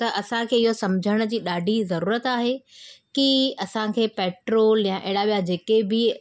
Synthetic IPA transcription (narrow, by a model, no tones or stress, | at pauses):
t̪ɐʔɐsãkʰeːɪɦosɐmd͡ʑʱəɽ̃ə̆d͡ʑiːɗaːɖʱizɐɾuːɾət̪aːɦekiɐsãkʰeːpeːʈɾoːljãʔeɦɪɽaʋijad͡ʑeːkebɪ